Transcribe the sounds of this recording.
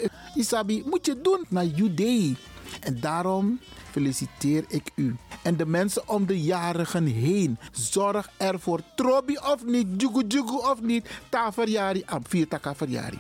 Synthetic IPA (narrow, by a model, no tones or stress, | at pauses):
isabimutjədunnaːjydej | ʔɛndaːɾɔmfelisiteːɾɪkyʔɛndəmɛnsəʔɔmdəjaːɾəχənɦejnzɔrxɛrfoːrtroːbiʔɔfnit̚d͡ʒuɡud͡ʒuɡuɔfnittaːfərjaːɾiʔanfiːtakafərja̰ːɾḭ